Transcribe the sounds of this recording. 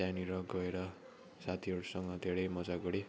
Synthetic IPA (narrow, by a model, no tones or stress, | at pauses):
janiɾʌɡʌeɾʌ | sat̪ʰiɦʌɽusʌŋɡʌd̪ʱeɾʌjmʌd͡zaɡʌɽi